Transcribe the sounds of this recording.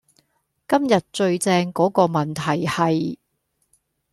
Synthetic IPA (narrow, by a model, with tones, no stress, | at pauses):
kɐ˥mjɐ˨t̚t͡ʃɵ˧ɥt͡sɛː˧ŋkɔː˨˥kɔː˧mɐ˨˩nt̪ʰɐ˨˩jhɐ˨j